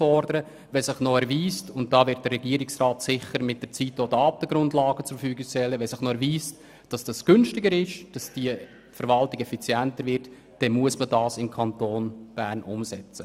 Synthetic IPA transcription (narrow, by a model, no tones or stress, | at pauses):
fɔɾdəɾə | vɛsɪχnɔɛɾviːstʊnt̚d̥ɑːvɪɾt̚d̥ərːɛɡiəɾɪksraːtsɪχəɾmɪt̚d̥əɾt͡sitːodɑːt̪əɡ̥ɾʊndlɑːɡət͡suffyːɡɪʃtɛlːəʋɛsɪχnɔɛɾviːst | d̥ɑsd̥ɑsɡ̥ʏnʃtɪɡəɾɪʃd̥ɑsd̥iə | fəɾvɑltɪɡ̥ɛfit͡sjæntəɾvɪɾt | d̥ɛnmuəsmədɑːsɪmkʰɑntoːnb̥æːɾnʔʊ̰msɛt͡sə